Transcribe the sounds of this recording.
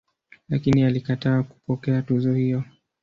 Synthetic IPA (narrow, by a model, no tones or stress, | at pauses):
lakinialikataːku̥pɔkɛatuzɔhijɔ